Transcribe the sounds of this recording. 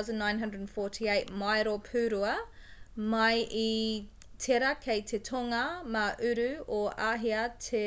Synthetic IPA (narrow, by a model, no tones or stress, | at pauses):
zə̃nːãɪ̃nɦɐ̃ndɹədənfɔtʰieɪt̚majɾopʰʉːɾuɐ | mɐji | tʰeɾɐkʰejtʰetʰoŋɐmɐʔʉɾʉoaɦiɐtʰe